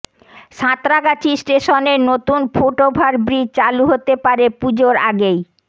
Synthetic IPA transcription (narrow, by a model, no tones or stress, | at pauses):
ʃãt̪ɾaɡat͡ɕisʈeʃoneɾnot̪unfoʈobʱaɾbɾit͡ɕaluɦot̪epaɾepud͡ʑoɾaɡej